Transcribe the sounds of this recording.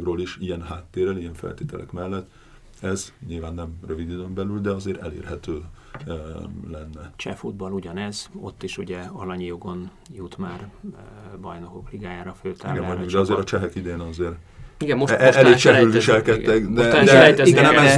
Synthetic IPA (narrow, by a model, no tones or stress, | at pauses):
ɡroːliʃijɛnɦaːt̪ːeːrɛlijɛɱfɛ̰lt̪eːt̪ɛlʔɛ̰kmɛlːɛt̪ː | ɛzɲilvaːnːɛmrøvid̪yd̪ømbɛlyld̪ɛɒzeːɾɛ̰lḛːrhɛt̪øː | lɛnːɛt͡ʃɛ̰fud̪̚bɒluɟɒnɛzo̞̰t̪ːiʃuɟɛɒlɒɲijoɡo̞n | jut̪maːr | bɒjno̞kokliɡaːjaːɾɒføːt̪aːiɡɛmɔjuɡd̪ɛɒzeːɾɒt͡ʃɛɦɛkid̪eːnɒzeːɾ | iɡɛmmoʃɛɛleːt͡ʃɛlylviʃɛlkɛt̪ːɛkd̪ɛd̪ɛɛjt̪ɛiɡɛnɛmɛz